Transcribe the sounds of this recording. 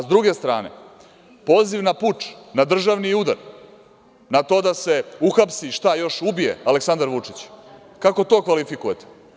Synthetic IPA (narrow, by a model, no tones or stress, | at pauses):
zd̪ɾuɡe̞st̪ɾa̰ːne̞̰ | poːziʋnaput͡ʂnad̪r̩ʒaʋniud̪a̰ɾ | nat̪o̞ːd̪ase̞uxapsiʃt̪ajo̞ʃubije̞̰aleksand̪aɾʋut͡ʂit͡ɕ | kako̞t̪o̞ːkʋalifikujet̪e̥